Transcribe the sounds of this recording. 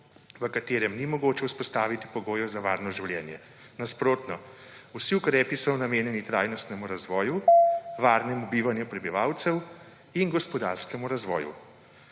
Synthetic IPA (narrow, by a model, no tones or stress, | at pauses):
ʋəkat̪eːɾɛmnimɔɡoːt͡ʃɛuspɔst̪aːʋit̪i̥pɔɡoːjɛzaʋaːɾnɔʒiwljɛ̰ːnjɛ | naspɾoːt̪nɔ | usiukɾɛːpisɔwnameːnjɛnit̪ɾaːjnɔst̪nɛmuɾazʋɔːjuʋaːɾnɛmubiːʋanjupɾɛbiʋaːwt̪sɛw | inɡɔspɔd̪aːɾskɛmuɾazʋɔ̰ːjṵ